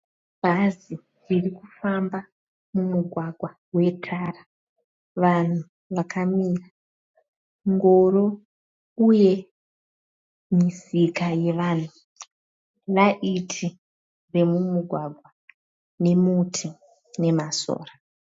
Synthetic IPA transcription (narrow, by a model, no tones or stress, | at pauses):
bʱazi | ririkufamba | mumuɡʱwaɡʱwa | we̞tʰara | ʋan̤u | ʋakʰamiːra | ŋɡo̞ɾo | uje̞ | misikaje̞ʋaːn̤u | laʔitʰi | re̞mumuɡʱwaɡʱwa | ne̞mutʰi | ne̞maso̰ːra